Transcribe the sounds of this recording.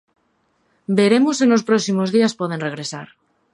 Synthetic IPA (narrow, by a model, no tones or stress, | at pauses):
be̞ɾe̞mosenlo̞spɾoksimozðiaspoð̞ẽ̞nre̞ɣ̞ɾe̞saɾ